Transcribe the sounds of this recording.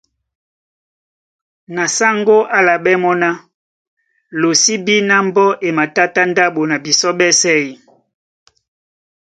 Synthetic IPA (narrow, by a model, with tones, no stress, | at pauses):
na˨sa˦ŋɡo˦ʔa˦la˨ɓɛ˦mɔ˦na˦ | lo˨si˦bi˦na˦mbɔ˦ʔe˨ma˨ta˦ta˦nda˦ɓo˨na˨bi˨sɔ˦ɓɛ˦sɛ˦i˨